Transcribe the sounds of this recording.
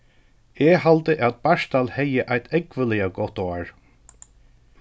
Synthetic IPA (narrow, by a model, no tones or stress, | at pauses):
ɛhalt̪əʔæt̪̚baʃt̪alhɛjːəʔajt̪ʰɛkvɪlɪaɡɔht̪ɔaɹ